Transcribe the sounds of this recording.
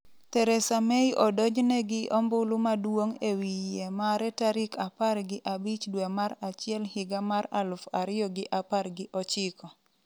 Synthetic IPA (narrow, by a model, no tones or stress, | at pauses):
tɛɾɛsamejʔɔdɔd͡ʒnɛɡɪʔɔmbʊlʊmadwoŋewiemaɾɛtaɾɪkʰaparɡɪʔabit͡ʃdwɛmaɾat͡ʃɪɛlhɪɡamaralʊfaɾɪjɔɡɪʔaparɡɪʔɔt͡ʃɪkʰɔ